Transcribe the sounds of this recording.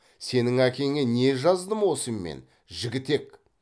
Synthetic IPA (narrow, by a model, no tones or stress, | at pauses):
se̞nɪŋækʲe̞ŋene̞ʒɑzd̪əmwo̞səmːḛn | ʒɪɡʲɪt̪e̞k